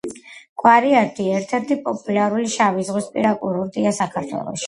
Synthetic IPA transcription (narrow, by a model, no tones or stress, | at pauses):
ɡʼwaɾiat̪ʰʼiɛɾt̪ʰɛɾt̪ʰipʼɔpʼulaɾuliʃavizʁwispʼḭɾakʼuɾuɾd̪ʼiasakʰaɾt̪ʰwɛ̰lˠɔ̰ʃi̥